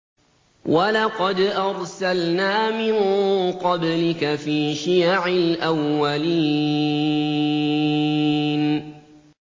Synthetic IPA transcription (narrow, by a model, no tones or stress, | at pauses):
walɑqɑd̪ʔɑɾˤsalnaːmɪnqɑblɪkafiːʃɪjaʕɪlʔawːaliː | n